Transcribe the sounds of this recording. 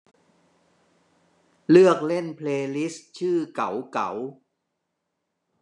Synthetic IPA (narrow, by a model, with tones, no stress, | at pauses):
lɯ˥˩ək̚le˥˩npʰleː˧li˦˥st͡ɕʰɯː˥˩ka˩˦wka̰˩˦w